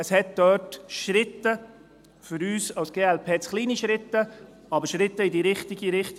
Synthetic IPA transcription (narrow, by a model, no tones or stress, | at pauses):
əshɛt̪̚d̪œːtʃɾɪt̪ːə | fʏɾyːsɑʊsɡ̥eːɛlpʰeːsχliːniʃɾɪt̪ːə | ɑbəɾʃɾɪt̪ːəɪd̪iɾɪχt̪iɡiɾɪχt̪